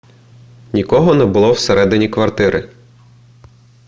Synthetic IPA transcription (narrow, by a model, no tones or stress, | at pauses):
nʲikɔɦɔnɛbʊlˠɔwseɾɛd̪ɪnʲikʋɐrt̪ɪɾʔɪ̰